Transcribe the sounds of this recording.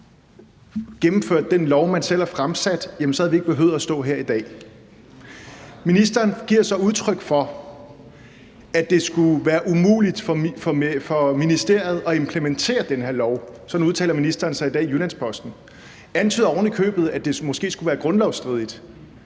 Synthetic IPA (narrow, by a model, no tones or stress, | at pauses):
ɡ̥emm̩føɐ̰d̥̚ːenlɒʊmænsel̰æɐfʁamsæd̥jæmnsɒhæðˠʋie̝ɡ̥̚b̥e̝ɦøð̩ˠɐsd̥ɔ̰̽ːɦeɐid̥ɛ̰ː | minisd̥ɐːnɡ̥iɐsɒ̽uð̞ˠt͡sʰʁœɡ̥fɒ̽ | æd̥e̝sɡ̥uʋæːɐʔumṵːlid̥ffɒfɒ̽minisd̥e̝ɐ̰ð̞̩ˠɒ̽e̝mpʰlement͡sʰe̝̰ːɐd̥enɦe̝ɐlɒʊsɒ̽d̥n̩uð̞ˠt͡sʰɛ̰ːlɐminisd̥ɐːnsɑ̈ɪid̥ɛ̰ːjunænspʰɒ̽sd̥n̩ | ænt͡sʰyːðˠɒʊn̩ikʰø̰ːb̥ð̩ˠæd̥e̝mɔ̽sɡ̥e̝̰ːsɡ̥uʋæːɐɡ̥ʁɔ̽nlɒʊsd̥ʁiðˠid̥